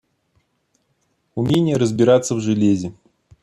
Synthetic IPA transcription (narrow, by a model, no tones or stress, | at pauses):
umʲenʲɪjəɾəzʲbʲɪɾat̪sːəvʐɨlʲezʲɪ